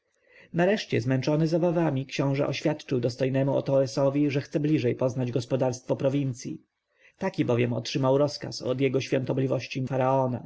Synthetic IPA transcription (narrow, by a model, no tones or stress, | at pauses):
naɾɛʂt͡ɕɛ̰zmɛnt͡ʂɔnɘzɔbavamʲikɕɔ̃w̃ʐɛʔɔɕfʲjat̪t͡ʂɘwd̪ɔst̪ɔjnɛmuɔ̰t̪ɔɛsɔvʲiʐɛxt̪sɛblʲiʐɛjpɔznad͡ʑɡɔspɔd̪aɾst̪fɔpɾɔvʲint̪sʲjḭ | t̪akʲibɔvʲjɛmɔ̰tʂɘmawɾɔska̰sɔ̰d̪jɛɡɔɕfʲjɔnt̪ɔblʲivɔɕt͡ɕifaɾaɔna̰